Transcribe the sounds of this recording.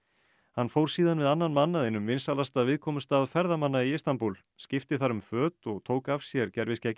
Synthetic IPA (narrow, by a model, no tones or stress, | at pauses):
hanfowɾ̥siːðanvɪðanːanmanːaðejnːʏmvɪnsalast̪avɪðkʰɔːmʏst̪aːðfɛɾðamanːaiɪst̪anpul | scɪft̪ɪθaɾʏmfœːt̪ɔɣt̪ʰoːwkavsjɛɾcɛɾvɪscɛc